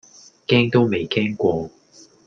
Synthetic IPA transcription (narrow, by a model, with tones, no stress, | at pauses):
kɛː˥ŋt̪o˥wme˨jkʰɛː˥ŋkʷɔː˧